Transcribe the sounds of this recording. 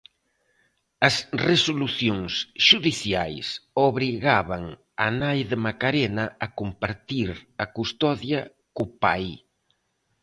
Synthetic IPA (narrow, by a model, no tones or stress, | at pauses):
ɐsresoluθjoŋsʃuðiθjajsoβɾiɣaβaŋ | anajðemakaɾenɐɐkumpaɾt̪iɾɐkust̪ɔðjɐ | kupaj